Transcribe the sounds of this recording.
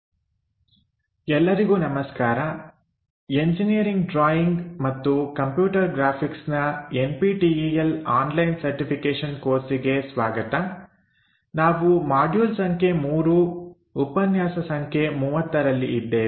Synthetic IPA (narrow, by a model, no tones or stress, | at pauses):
ɛlːɐɾiɡuːnɐmɐskaːɾɐ | e̞ɲd͡ʒinijɐɾiŋɡɖɾaːjiŋɡmɐt̪ːukɐmpjuːʈɐɾɡɾaːpʰiksnɐenpiːʈiːijɐlaːnlɐjnsɐɾʈipʰikeːʂɐnkoːɾsiɡe̞sʋaːɡɐt̪ɐ | naːʋumaːɖjuːlsɐŋkʰemuːɾuː | pɐnjaːsɐsɐŋkʰemuːʋɐt̪ːɐɾɐlːiʔid̪ːeː